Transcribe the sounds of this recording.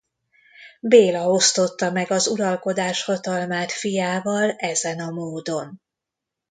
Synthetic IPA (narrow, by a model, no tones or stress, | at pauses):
beːlɒo̞st̪o̞t̪ːɒmɛɡɒzuɾɒlko̞d̪aːʃhɒt̪ɒlmaːt̪fijaːvɒlɛzɛnɒmoːd̪o̞n